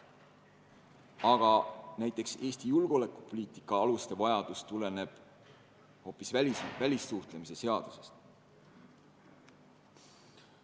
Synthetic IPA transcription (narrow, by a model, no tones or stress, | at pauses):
ɑɡ̥ɑnæjt̪ˑːe̞kse̞ːst̪ijulɡ̥o̞le̞kˑːu̥po̞liːt̪ˑi̥kːˑɑɑlust̪e̞vɑjɑd̪̥ust̪ule̞ne̞b̥ | ho̞ːpːisvælsvælʲissuht̪le̞mise̞se̞ɑd̪̥u̥se̞st̪